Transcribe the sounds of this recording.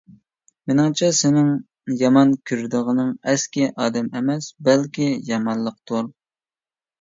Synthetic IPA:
mɪnɪŋt͡ʃʰɛsɪnɪŋ | jɑmɑnkʲʰyɾd̪ɨʁənɨŋɛskʲɪʔɑːd̪ɛmɛmɛsbɛlkʲijɑmɑnlˠəq̚t̪ʰuɾ

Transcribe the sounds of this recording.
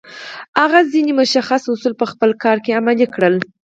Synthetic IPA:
aɣazinemʊʃaxasʊsulpəxpəlkɑɾkeamalikɽəl

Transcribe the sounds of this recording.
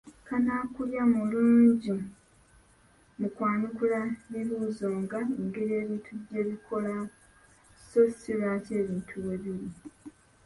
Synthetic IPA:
kanaːkuljamuluːɲɟi | mukwaːɲukulaβiβuːzo̞ːŋɡaeŋɡe̞ɾie̞ːβitʰuɟe̞ːβikʰo̞la | so̞silace̞ːβiːntʰuweβiɾi

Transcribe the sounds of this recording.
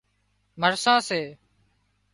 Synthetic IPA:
məɾsãːseː

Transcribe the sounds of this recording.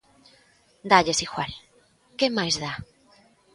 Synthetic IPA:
d̪aʎesixwal | kemajzða

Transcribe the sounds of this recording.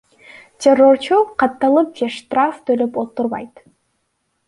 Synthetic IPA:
tʲerːo̞rt͡ʃuqɑt̪ːɑlˠɯp̚d͡ʒeʂt̪raft̪ʰølypot̪ːuɾβɑ̰jt̪

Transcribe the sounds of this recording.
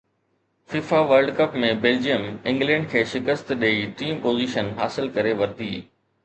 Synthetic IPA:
fiːfaʋɐɾlɖkɐpmẽbeːld͡ʑijəmɪ̃ŋɡlɛ̃ːɳɖkʰeːʃɪkəst̪ɗeiʈiːmpoːziːʃənɦaːsɪlkɐɾeʋɐɾd̪iː

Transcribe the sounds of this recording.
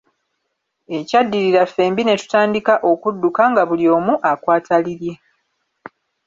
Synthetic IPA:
e̞cadːiɾiɾafːe̞ːmbine̞tu̥taːndikaʔo̞kudːukaŋɡaβulio̞ːmuʔakwaːtaliɾje̞

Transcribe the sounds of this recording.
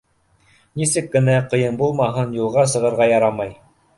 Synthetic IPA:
nisɘkːɘ̆næqɤ̆jɤnbulˠmɑɦɤnjulˠʁɑs̬ɤ̆ʁɤ̆ɾʁɑjɑɾɑmɑj

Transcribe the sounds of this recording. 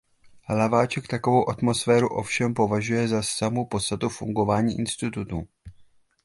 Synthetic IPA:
lavaːt͡ʃɛkt̪ako̞vo̞wʔat̪mo̞sfɛːɾuʔo̞̰fʃɛmpo̞vaʒujɛzasamopo̞t̪st̪at̪ufṵŋɡo̞vaːɲiːʔɪnst̪ɪt̪ut̪uː

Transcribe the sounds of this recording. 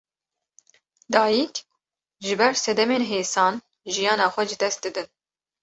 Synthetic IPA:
d̪ɑːjik | ʒɨbɛɾsɛd̪ɛmeːnɦeːsɑːn | ʒijɑːnɑːxʷɛʒɨd̪ɛst̪̚d̪ɨd̪ɨn

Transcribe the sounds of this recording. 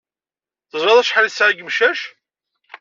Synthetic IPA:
θəzˤɾɑðˤæʃħalisʕaɡəmʃæʃ

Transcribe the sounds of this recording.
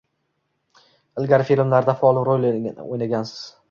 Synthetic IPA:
ɪlˠɡʲaɾfilmlaɾd̪afɒlˠɪɾojlɪɪnɪ̰ʔo̰jnaɡʲansɪ̥z̥

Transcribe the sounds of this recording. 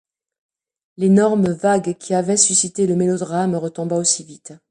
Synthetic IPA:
lenɔʁmvaɡkʲʰiavɛsysit̪eləmelɔd̪ʁamʁət̪ɔ̃baosivit̪

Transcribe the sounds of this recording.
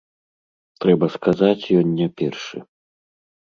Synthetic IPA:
t̪ɾɛbɐskazat͡sʲjɔnʲːapʲɛrʂɨ̰

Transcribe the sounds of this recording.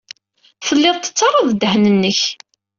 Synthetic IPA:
θəlːɪðˤt̪ːə̥t͡sːɑɾˤɑðˤd̪ːəhnənːəç

